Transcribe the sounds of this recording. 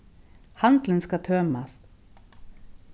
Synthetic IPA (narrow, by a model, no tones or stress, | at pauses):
hɑnd̪lənskɑt̪ʰøːmɑs